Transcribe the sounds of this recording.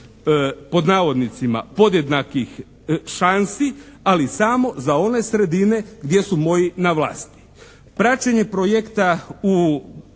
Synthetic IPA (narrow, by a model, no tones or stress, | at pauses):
po̞d̪naːʋo̞d̪nit̪sima̰po̞d̪je̞d̪nakix | ʃansialisamo̞zao̞ne̞sɾe̞d̪ine̞ɡd̪je̞sumo̞jinaʋla̰ːst̪i̥ | pɾat͡ʃeɲe̞pɾo̞jekt̪au